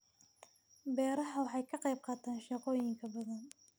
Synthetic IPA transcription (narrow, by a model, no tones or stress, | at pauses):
bɛːɾɐħɐwɑħɑjkʰɐqɑjb̚qɑːt̪ʰaːnʃɑqɔːjɪŋkʰɐbɐðɐn